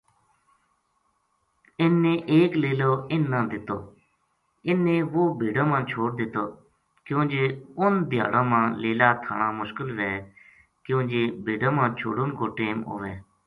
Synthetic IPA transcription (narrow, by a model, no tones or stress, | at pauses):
ɪnːẽːʔeːkleːloːɪnːãːd̪ɪt̪oː | ɪnːẽːʋoːbʱeːɖãːmãːt͡ʃʰoːɽ̚d̪ɪt̪oː | kjõːnd͡ʒeːʊnd̪ʱɪja̰ːɽãːmãːleːlaːt̪ʰa̰ːɳaːmʊʃkəlʋɛː | kjõːd͡ʒeːbʱeːɖãːmãːt͡ʃʰo̰ːɽʊnkoːʈeːmɦo̰ːʋeː